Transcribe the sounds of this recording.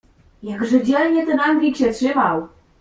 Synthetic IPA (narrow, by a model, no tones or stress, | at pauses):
jaɡʐɘd͡ʑɛlɲɛt̪ɛnaŋɡʲikɕɛtʂɘmaw